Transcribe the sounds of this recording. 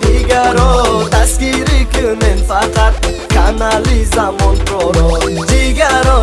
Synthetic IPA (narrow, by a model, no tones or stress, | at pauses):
d̪iɡaɾɔt̪askiɾikunɛnfaqat̪̚ | kʰanalizamɔnt̪ɾɔɾɔd͡ʒ̪iɡaɾɔ